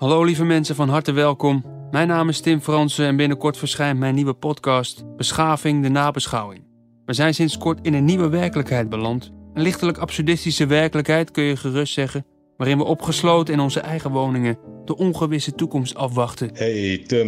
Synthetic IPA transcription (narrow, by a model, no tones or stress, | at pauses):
hɑlowlivəmɛnsəvɑnɦɑɹtəʋɛlˠkɔmːɛjnaːmɪstɪmfrɑnsəɛnbɪnəkɔɹtfəɹsχɛjntmɛjniʋəpɔtkɑstb̥əsχaːvɪŋdənaːbəsχɑwɪŋ | ʋəzɛjnsɪnskɔɹtɪnənːiʋəʋɛɹkələkɦɛjd̚bəlɑntənlɪχtələkɑpsədɪstisəʋɛɹkələkɦɛjtkɵnjəχərɵstsɛχən | ʋaːɾɪnʋəʔɔpχəslowtənɪnɔnzəʔɛjχəʋownɪŋəd̥əʔɔnχəʋɪsətukɔmstɑfʋɑχtənhet